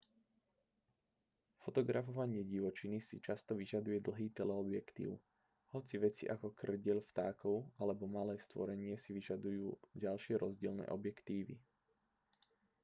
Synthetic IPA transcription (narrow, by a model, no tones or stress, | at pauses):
fɔt̪ɔɡɾafɔʋaɲɪɛɟiʋɔt͡ʃinisit͡ʃast̪ɔʋiʒad̪ujɛd̪l̩ɦiːt̪ɛlɛɔbjɛkt̪ḭːʊ | hɔt͡siʋɛt͡sḭʔakɔkr̩ɟɪɛlft̪a̰ːkɔʊalɛbɔmalɛːst̪ʋɔ̰ɾɛɲɪɛsiʋiʒad̪ujuːɟalʃɪɛɾɔzɟɪɛlnɛ̰ːʔɔbjɛkt̪iːʋḭ